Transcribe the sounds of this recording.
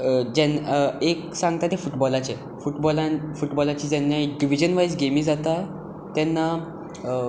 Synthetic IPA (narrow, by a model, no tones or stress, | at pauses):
d͡ʑɛneksãŋɡ̚t̪at̪efuʈbɔlat͡ɕe | fuʈbɔlãfuʈbɔlat͡ɕiːd͡ʑɛnːjaiɖiʋ̤id͡ʑənʋajsɡemiːd͡zat̪a | t̪ɛnːa